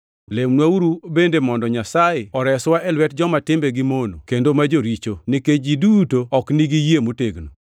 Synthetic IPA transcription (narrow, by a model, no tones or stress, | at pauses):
lemnwauɾubendemɔndɔɲasajeɔɾɛswaɛlwɛt̚d͡ʒɔmatɪmbeɡimonokendomad͡ʒoɾit͡ʃoniked͡ʒidutoɔkniɡijemuteɡno